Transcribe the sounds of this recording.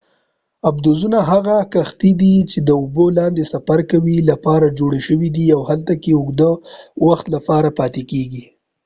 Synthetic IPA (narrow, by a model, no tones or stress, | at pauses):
ab̚d̪ozunaɦaɣakaxt̪id̪it͡ʃed̪əʊbolɑnd̪esafaɾkawilapɑɾad͡ʒoɽeʃəwid̪iawhalt̪akeʊɡd̪əwaxt̪lapɑɾapɑt̪ekeɡi